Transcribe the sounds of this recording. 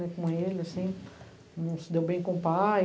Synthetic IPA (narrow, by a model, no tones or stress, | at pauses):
ɛkõmʊelɪasĩ | nɐ̃sɪd̪ewbẽj̃kõpa